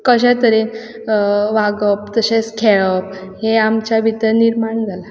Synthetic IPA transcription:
kəɕẽt̪əɾen | ʋaɡəp̚t̪əɕeskʰeɭəp | heamt͡ɕabʱit̪əɾniɾmaɳd͡zʱala

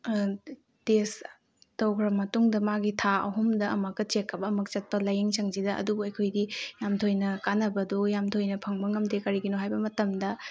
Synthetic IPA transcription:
tes | tɐwkʰɾɐmɐtuŋdɐmaɡitʰaɐ̰ɦumdɐʔɐmɐkːɐt͡ʃekʰːɐbɐːmɐk̚t͡ʃɐt̚pɐlɐjeŋsɐŋzidɐʔɐ̰dubuɐjkʰojdijamtʰojnɐkanɐbɐdujamtʰojnɐpʰɐŋbɐŋɐmtekɐɾiɡinoɦajbɐmɐtɐmdɐ

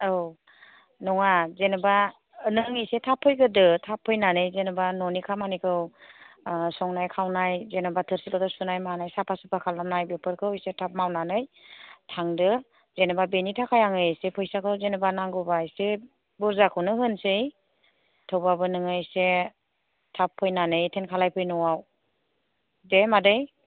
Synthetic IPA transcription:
ɯw | nɔŋazenɯba | nɯŋɯjsetʰapʰːɯjɡɯdɯtʰapʰːɯjnanɯjzenɯbanɔnikʰamanikʰɯw | sɔŋnajkʰawnajzenabatʰɯɾsilɔtɔsunajmanajsapʰasɯpʰakʰalnanajbepʰɯɾkʰɯwjsetʰap̚mawnanɯjtʰaŋdɯ | zenɯbabenitʰakʰajaŋɯsepʰɯjsakʰɯwzenɯbanaŋɡɯbajse | buɾzakʰɯwnɯhɯnsɯj | tʰɯwbabɯnɯŋɯjse | tʰapʰːɯjnanɯjtʰenkʰalajpʰɯjnɔwaw | demadɯj

